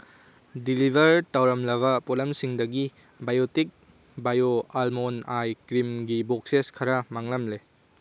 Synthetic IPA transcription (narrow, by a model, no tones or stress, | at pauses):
dilibʱɐɾtɐwɾɐmlɐβɐpolɐmsiŋdɐɡi | bajotik̚ | bajoalmonajkɾimɡibok̚seskʰɐɾɐmaŋlɐmle